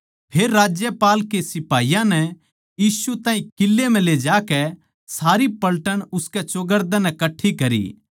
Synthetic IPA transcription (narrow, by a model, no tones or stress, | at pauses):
pʰeːɾːaːd͡ʒjəpaːlkesɪpaːijãnɛ | jiːsut̪ãːɦĩkɪlːemɛ̃led͡ʒaːkɛ | saːɾipɐlʈəɽʊskɛt͡ʃoɡəɾd̪ãnɛkɐʈʰːikɐɾḭː